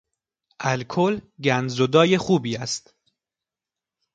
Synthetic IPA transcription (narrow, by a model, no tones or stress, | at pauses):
ʔælkʰolɟænzod̪ɒːje̞xuːbiːæst̪